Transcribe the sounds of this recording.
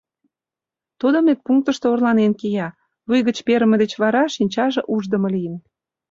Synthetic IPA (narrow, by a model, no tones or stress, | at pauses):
t̪ud̪ə̆met̪̚puŋk̚t̪əʃt̪oorlɑnenkijɑ | βujɣə̆t͡ɕpeɾə̆mə̆d̪et͡ɕβɑɾɑʃinʲt͡ɕɑʒĕʔuʒd̪ə̆mɤ̆lijən